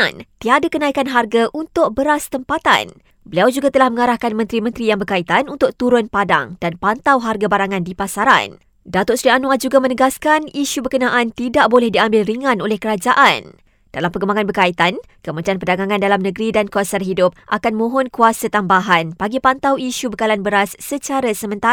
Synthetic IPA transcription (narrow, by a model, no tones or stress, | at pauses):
nt̪iadakənaikanɦarɡaʔunt̪ʊk̚bəɾast̪əmpat̪a̰n | bəliawd͡ʒuɡat̪əlahmə̃ŋaɾahkanmə̃nt̪ɾimə̃nt̪ɾijaŋbərkait̪anunt̪ʊk̚t̪uɾʊnpada̰ŋd̥anpant̪awɦarɡabaɾaŋandipasaɾa̰n | dat̪ʊʔsɾianũad͡ʒuɡamə̃nəɡaskaniʃubərkənãʔant̪idaʔbolɛhdiambɪlriŋãnolɛhkəɾad͡ʒaʔan | d̥alampəɡəmbaŋanbərkait̪an | kəmət͡ʃianpərdaɡaŋãndalamnə̃ɡɾidankuasanɦidʊp̚ʔakanmõɦɔnkuasat̪ambaɦanpaɡipant̪awiʃubəkalanbəɾasːət͡ʃaɾasəmə̃nt̪a